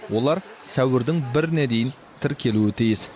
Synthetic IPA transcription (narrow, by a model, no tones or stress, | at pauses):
wʔo̞lˠɑɾsæwɪɾd̪ɪŋbɪɾɪned̪e̞jɪn | t̪ʰɪɾkʲʰe̞luɪt̪ʰijɪs